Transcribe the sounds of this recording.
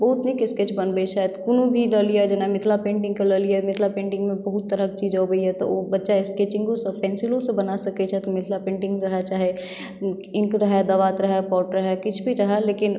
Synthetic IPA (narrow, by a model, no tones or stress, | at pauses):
bəɦut̪nikɪsket͡ʃbənbəiʃaːjəd̪kunõbʱiləlijad͡ʒənamɪt̪ʰlapẽːɳʈɪ̃ŋɡkeləliɛmɪt̪ʰlapẽːɳʈɪ̃ŋɡmẽbəɦut̪ːəɾəkt͡ʃiːd͡ʒɔːbəiɦɛt̪ɔ̰obətːʃaɪsket͡ʃɪ̃ŋɡõsepɛːnsɪlõsẽbənasɐkɛt͡ʃʰɛt̪ɔmɪt̪ʰlapẽːɳʈɪ̃ŋɡɾəɦɛt͡ʃaːɦe | ɪ̃ŋkɾəɦɛd̪əʋat̪ɾəɦɛpɔːʈɾəɦɛkɪt͡ʃʰbʱiɾəɦɛleːkɪn